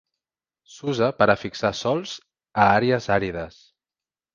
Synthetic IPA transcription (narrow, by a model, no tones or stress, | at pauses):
suzəpəɾəfiksasɔlˠz̥ | əaɾeəzaɾiðəs